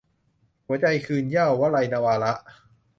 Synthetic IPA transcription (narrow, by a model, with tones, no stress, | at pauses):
hu˨˩˦ɐt͡ɕa˧jkʰɯː˧njaː˥˩wːaː˦˥˩la˧jnaː˧waː˧la˦˥ʔ